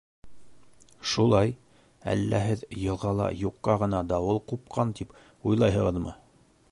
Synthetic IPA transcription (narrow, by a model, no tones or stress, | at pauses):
ʃulˠɑj | æ̰lːæɦɘðjɤ̆lˠʁɑlˠɑ̰juqːɑʁɤ̆nɑd̪ɑwɤlˠqup̚qʰɑnt̪ip | ujlˠɑjɦɤ̆ʁɤ̆ðmɤ̰